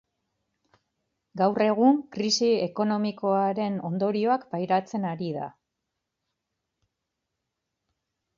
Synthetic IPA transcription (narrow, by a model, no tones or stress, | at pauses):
ɡawre̞ɣ̞uŋkɾisie̞ko̞no̞miko̞aɾe̞no̞nd̪o̞ɾio̞akpajɾat͡se̞naɾiða̰